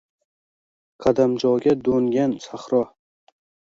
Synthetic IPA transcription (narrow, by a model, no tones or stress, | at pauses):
qʰɑd̪amd͡ʒɒɡʲad̪oŋɡʲansaχɾɒ